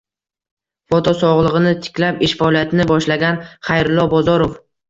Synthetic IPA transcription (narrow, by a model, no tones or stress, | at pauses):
fɒt̪ʰɒsɒʁlˠɨʁɨnɪt̪ʰɪ̥kʲlapɪʃfaɒlijat̪ʰɪnɪbɒʃlaɡʲanχajɾɪlˠːɒbɒzɒɾof